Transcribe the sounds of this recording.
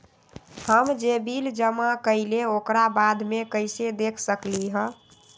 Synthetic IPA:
həmd͡ʒebild͡ʒəmakəɪleokɾabad̪ʱmekəɪsed̪ekʰsəkliɦə̃

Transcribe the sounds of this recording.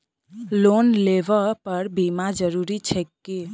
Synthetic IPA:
lonleʋəpəɾbimad͡ʒəɾuɾit͡ʃʰɛkːe

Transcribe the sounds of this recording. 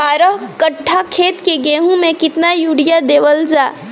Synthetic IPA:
aːɾəɦkəʈʰːakʰeːt̪keɡeɦũmẽkɪt̪najuɽijad̪eːʋəld͡ʒaː

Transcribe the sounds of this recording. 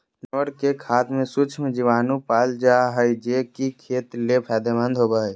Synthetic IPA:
noɽkekʰaːt̪mẽsut͡ʃʰmẽd͡ʒiʋaːnũpald͡ʒaɦəjd͡ʒekikʰet̪lepʰɛd̪emə̃nd̪ʱɦobəɦj

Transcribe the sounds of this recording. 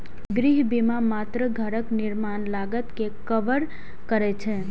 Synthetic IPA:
ɡɾiɦbimamat̪ɾəɡʱəɾəkniɾmanlaɡət̪kekəʋəɾ | kəɾɛt͡ʃʰɛ

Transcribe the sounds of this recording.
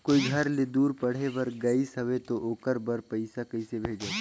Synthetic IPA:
koːiɡʱɐɾled̪uːɾpɐɽ̤ebɐɾɡɐisɦɐʋet̪oʔoːkəɾbɐɾpɐɪsakɐisebʱeːd͡ʒa

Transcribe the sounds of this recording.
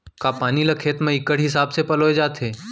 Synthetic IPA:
kapaːnilɐkʰeːt̪mẽɪkəɽ̤ɦɪs̬aːbsepɐloːed͡ʒaːt̪ʰɦeː

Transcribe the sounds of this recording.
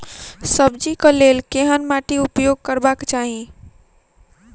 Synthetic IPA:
səbd͡ʒikəlelkeɦənmaʈiupjoɡ̚kəɾbakt͡ʃaɦi

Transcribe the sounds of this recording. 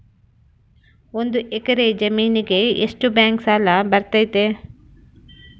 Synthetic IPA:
o̞nd̪uʔekɐɾed͡ʒɐmiːniɡe̞eʂʈubjaːŋksaːlɐbɐɾt̪ɐjt̪e

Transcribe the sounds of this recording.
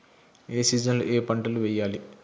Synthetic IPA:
eːsiːd͡ʒɐnloʔeːpɐɳʈɐluʋɛːjːaːli

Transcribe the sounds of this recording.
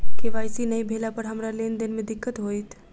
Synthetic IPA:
keʋaːjsinəibʱelapəɾɦəmɾalend̪ɪnmẽd̪ɪkːət̪ɦojt̪ʰ

